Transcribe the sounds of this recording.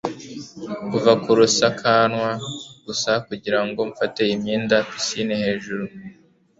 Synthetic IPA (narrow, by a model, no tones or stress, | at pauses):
kuvakuɾusakʰanwaɡ̥usakuɟiɾaŋɡo̞ɱfate̞imɲiːndafisinehe̞ːʒuɾu